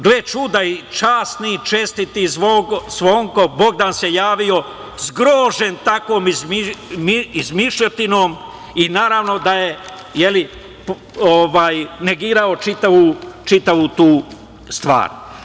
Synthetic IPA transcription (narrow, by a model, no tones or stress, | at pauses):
ɡlet͡ʃud̪ait͡ʃaːsnit͡ʃest̪it̪izʋosʋoːŋko̞bo̞ɡd̪anse̞jaːʋio̞ | zɡɾoːʒent̪akʋoːmiimizmiʃʎot̪ino̞ːm | inaːɾaːʋno̞d̪aje̞ | jeli | p | oʋaːjne̞ɡiːɾao̞t͡ʃit̪aʋut͡ʃit̪aʋut̪uː | st̪ʋa̰ːɾ